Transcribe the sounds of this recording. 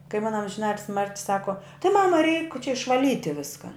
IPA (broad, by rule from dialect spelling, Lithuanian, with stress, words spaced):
kɐɪ ˈmʊnɐ ɐmʲʒʲɪˈnɑːtʲɪlʲsʲɪ ˈmɐrʲtʲɪ ˈsɑːkoː tʲɪ ˈmɑːmɐ rʲɛɪk t͡ʃʲɛ ɪʃʋɐˈlʲiːtʲɪ ˈʋʲɪskɐ